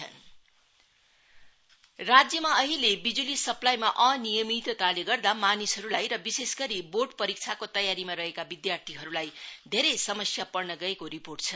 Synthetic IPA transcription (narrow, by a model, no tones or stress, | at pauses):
ʌ̰n | rad͡zjʌmaʌɦilebid͡zulisʌplajmaʔʌnijʌmit̪wʌt̪aleɡʌrd̪amanisɦʌɾulajɾʌbisesɡʌɾiboʈpʌɾik̚t͡sʰakot̪ʌjaɾimaɾʌɦekabid̪jart̪ʰiɦʌɾulajd̪ʱeɾejsʌmʌsjapʌrnʌɡʌekoɾiporʈ̚t͡sʰʌ